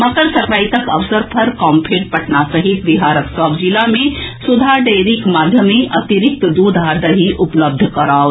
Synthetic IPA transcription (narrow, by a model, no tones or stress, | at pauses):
mɐkəɾsɐɾpɾaːit̪ɐkɐʋsəɾpʰɐɾkɔːmpʰeʈ̚pɐʈnasəɦit̪ʋiɦaːɾəksɔːbd͡ʒilamẽsud̪ʱaɖeːɾikmaːd̪ʱjəmeʔɐt̪iɾik̚t̪d̪uːd̪ʱad̪əɦiʔʊpləb̚d̪ʱkɐɾaːw